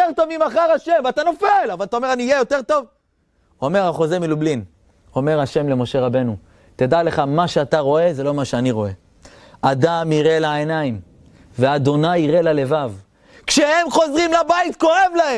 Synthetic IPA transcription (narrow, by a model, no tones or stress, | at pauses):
eʁt̪o̞vmimaχaʁaʃemvat̪ano̞felavalat̪aome̞ʁaniːjejo̞t̪e̞ʁt̪o̞v | o̞me̞ʁhaχo̞zemilublin | o̞meʁhaʃe̞mle̞mo̞ʃe̞ʁabe̞nu | t̪ed̪ale̞χamaʃeat̪aʁo̞e̞ze̞lo̞maʃeaniʁo̞e̞ | ad̪amiʁelaenaim | ve̞ad̪o̞najiʁe̞lalevav | kʃe̞he̞mχo̞zʁimlabait̪ko̞e̞vlahem